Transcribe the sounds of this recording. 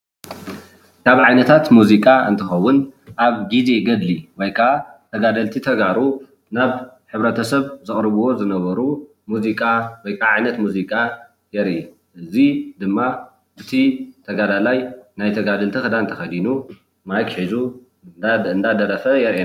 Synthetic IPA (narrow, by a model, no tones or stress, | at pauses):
kʰaβʕajnɐt̪ʰat̪muzikʼaɨ̰nt̪ʰɨxɐwːʊnʔaβɡize̞ɡɐd̪liwɔjkʰat̪ʰɐɡad̪ɐlt̪ʰit̪ʰɐɡaɾu | naβħɨβɾɐt̪ʰɐsɐβzɨxʼɾɨβuwo̞zɨnɐβɐɾu | muzikʼawɔjkʰʼaʕajnɐt̪muzikʼa | jɛɾʔi | ʔɨzid̪ɨmːa | ʔɨt̪ʰit̪ʰɐɡad̪alajnajt̪ʰɐɡad̪ɐlt̪ʰixɨd̪ant̪ʰɐxɐd̪inu | majkħizu | nd̪ad̪ɐɾɐfɐjɛɾʔe